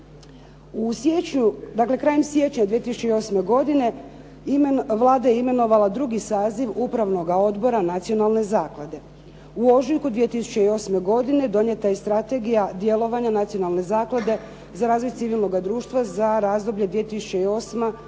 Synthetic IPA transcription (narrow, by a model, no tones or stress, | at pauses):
usjeɲud̪akle̞kɾaːjemsje̞t͡ɕɲad̪ʋiet̪isu̥t͡ɕe̞io̞sme̞ɡo̞d̪ine̞ | ʋlˠaːd̪ajeime̞no̞ʋalad̪ɾuɡisaːziʋupɾaʋno̞ɡao̞d̪bo̞ɾanat̪sio̞nalˠne̞zaːklˠad̪e̞ | uo̞ʒiŋkud̪ʋie̞t̪isu̥t͡ɕe̞io̞ːsme̞ɡo̞d̪ine̞d̪o̞ɲe̞t̪ajest̪ɾat̪e̞ɡijad̪je̞lo̞ʋaɲanat̪sijo̞nalˠne̞zaːklˠad̪e̞ | zaɾaːzʋo̞jt̪siʋilˠno̞ɡad̪ɾuːʃt̪ʋazaɾaːzd̪o̞bʎe̞d̪ʋije̞t̪isu̥t͡ʃe̞io̞ːsma